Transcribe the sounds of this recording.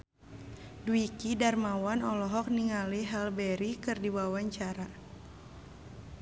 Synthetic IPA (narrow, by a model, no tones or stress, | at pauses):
duikidarmawanɔlɔɦɔk̚niŋaliɦɛlbɛɾikɨrdiwawaɲt͡ʃaɾa